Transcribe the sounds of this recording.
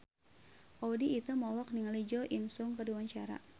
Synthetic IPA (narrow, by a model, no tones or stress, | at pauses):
ʔowdiːt̪umɔlɔk̚niŋalid͡ʒɔʔinsʊŋkəduwaɲt͡ʃaɾa̰